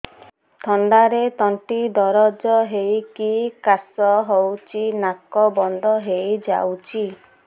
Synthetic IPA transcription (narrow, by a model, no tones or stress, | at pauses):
t̪ʰɔɳɖaɾet̪ɔɳʈid̪ɔɾɔd͡ʒɔɦejkikasɔɦowt͡ʃʰinakɔbɔnd̪ʱɔɦejd͡ʒa̰wt͡ʃʰi